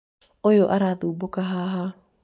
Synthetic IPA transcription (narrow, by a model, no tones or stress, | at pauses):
ojoʔaɾaːðuːbokaɦaːɦa